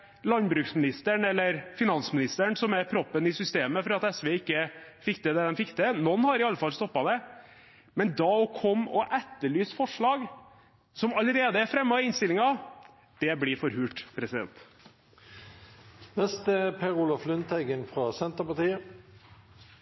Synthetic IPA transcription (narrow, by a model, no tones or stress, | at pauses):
lɑnbɾʉːksmɪnɪst̪əɳɛlːəɾfɪnɑnsmɪnɪst̪əɳsɔmæɾpʰɾɔpːənɪsʏst̪eːməfɔɾɑt̪ɛsʋɛɪkːəfɪkːd̪ɛd̪ɛd̪ɛmfɪkːd̪ɛnɔnːhɑɾɪɑlːəfɑlst̪ɔpːɑd̪ɛ | mɛnd̪ɑːɔkʰɔmɔ̰ʔæt̪ːəɭyːsfɔʂɭɑːɡ | sɔmɑləɾeːd̪əɛɾfɾɛmːɑɪnst̪ɪlɪŋɑ | d̪̥ɛblɪfɔɾhʉːʈpʰɾɛsɪd̪ɛ̰nt̪ | nɛst̪əpʰeʁuːlɔflʏnt̪ʰɛɡənfʁɑsɛnt̪əpɑt̪iːə